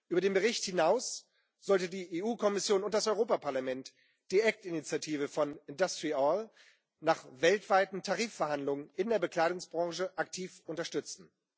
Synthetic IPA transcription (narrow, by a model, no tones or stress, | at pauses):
ʔyːbɐɾeːnbəʁɪçthɪnaʊs | z̥ɔltədiːʔeːʔuːkʰɔmɪsjoːnʊnt̚d̥asɔʏʁoːpapʰaɐlamɛnt | d̥iːʔɛk̚tɪnit͡sjatʰiːvəfɔnɪndastʁiɔl | naːχvɛltv̥aɪtn̩tʰaʁiːfɛɐɦandlʊŋənɪndeːɐbəkl̥aɪdʊŋsb̥ʁɑ̃ŋʃəʔaktʰiːfʔʊntɐʃtʏt͡sn̩